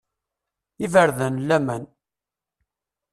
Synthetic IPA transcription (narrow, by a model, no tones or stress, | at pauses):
ivəɾðənlːæmæn